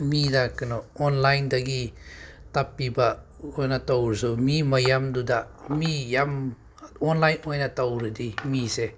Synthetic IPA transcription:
midakɯnɔɔnlajndaɡitapːiba | ojnatawɾsumimɐjamdudamijam | ɔnlajnɔjnatawɾɯdimise

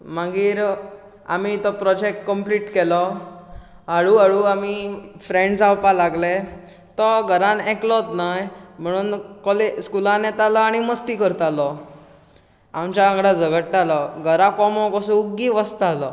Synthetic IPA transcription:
məɡiːɾ | a̰mit̪ɔpɾɔd͡ʑek̚ʈkəmpliːʈkɛlɔ | aɽuaɭuːamifɾẽɳɖsawpalaɡle | t̪ɔɡʱəɾanɛklɔt̪najm̤əɽ̃uːnkɔleskulãnɛt̪alɔaɽ̃iməst̪iːkəɾt̪alɔ | amt͡ɕaãɡɽad͡zəɡəʈʈalɔɡʱəɾakɔmɔkɔsũuɡiʋəst̪alɔ

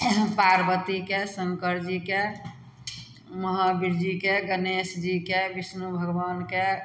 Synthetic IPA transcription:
paɾbət̪ikesəŋkəɾd͡ʒike | məɦabiɾd͡ʒikeɡənesd͡ʒikebismubʱəɡbanke

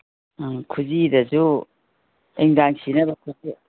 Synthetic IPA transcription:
kʰuzidɐzu | eŋdaŋsinɐbɐkʰuzi

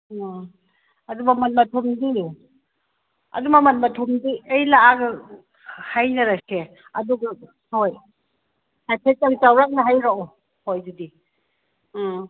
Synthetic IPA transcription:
ɐdumaman̚mɐtʰɔmdi | ɐ̰dumaman̚mɐtʰomdiejlaaɡɐ | hajnɐɾase | ɐduɡa | hoj | hajpʰetaŋtawɾak̚naɦajɾaɔ | hojdudi

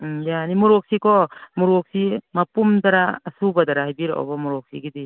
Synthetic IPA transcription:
janimuɾɔk̚sikɔmuɾɔk̚simapumdaɾaːsubadaɾaɦajbiɾaʔɔ̰bamuɾɔk̚sḭɡidi

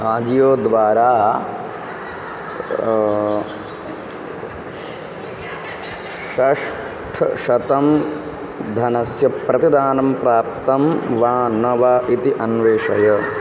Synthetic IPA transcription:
aːd͡ʒijoːd̪ʋaːɾaː | ʃɐʂ | ʈʰʃɐt̪ɐm | d̪ʱɐnɐsjɐpɾɐt̪id̪aːnɐmpɾaːp̚t̪ɐmʋaːnɐʋaːʔit̪iʔɐnʋeːʂɐjɐ

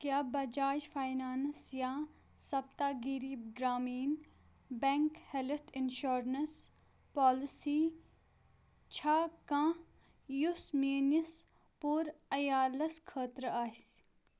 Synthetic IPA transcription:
kjaːbɐd͡ʒaːd͡ʒfaːjnaːnsjãː | sɐbt̪aːɡiɾiːbɡɾaːmiːn | bɛŋkhɛlt̪ʰɪnʃoːɾnɐs | pɔːlɪsiː | t͡ʃʰaːkã | jusmiːnis | puːɾɐjaːlɐskʰəːt̪ɾaːs

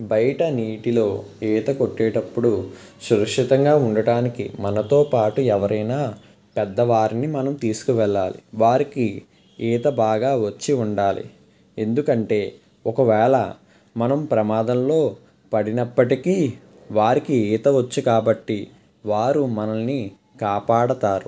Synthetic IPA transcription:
bɐjɐʈɐniːʈilo̞ːiːt̪ɐko̞ʈːɛːʈɐpːuɽu | ʃuɾɐkʂit̪ɐŋɡaːuɳɖɐɽaːnikḭmɐnɐt̪o̞ːpaːʈuɛʋɐɾʔɐjnaː | pɛd̪ːɐʋaːɾinimɐnɐmt̪iːsu̥kuʋɛɭːaːlḭʋaːɾiki | ɛːt̪ɐbaːɡaːʋɐt͡ʃːiuɳɖaːlḭ | e̞nd̪ukɐɳʈe̞ː | ɔkɐʋɛːɭɐ̰ | mɐnɐmpɾɐmaːd̪ɐmlo̞ː | pɐɽinɐpːɐʈikiː | ʋaːɾikiiːt̪ɐʋɐt͡ʃːukaːbɐʈːi | ʋaːɾumɐnɐnːi | kaːpaːɽɐt̪aːɾu

